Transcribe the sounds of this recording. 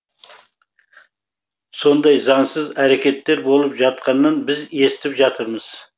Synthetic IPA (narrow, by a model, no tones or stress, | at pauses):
so̞nd̪ɑjzɑŋsəzæɾekʲe̞t̪ːe̞ɾbolˠɨpʒɑt̪̚qʰɑnːɑnbɪze̞sɪ̥t̪ɪpʒɑt̪ʰəɾməz̥